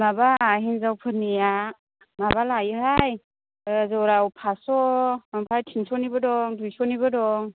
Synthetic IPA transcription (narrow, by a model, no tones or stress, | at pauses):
mabaɦinzawpʰɯnija | maβalajɦaj | zawɾawpʰasɔampʰajtʰinsɔnibɯdɔŋdujsɔnibɯdɔŋ